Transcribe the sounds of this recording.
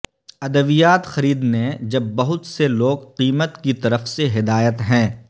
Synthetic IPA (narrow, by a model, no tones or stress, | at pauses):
ɐd̪əʋijaːt̪xɐɾiːd̪ned͡ʒɐbːɐɦʊt̪seloːɡqiːmət̪kit̪ɐɾəfseɦɪd̪aːjət̪ɦɛ̃ː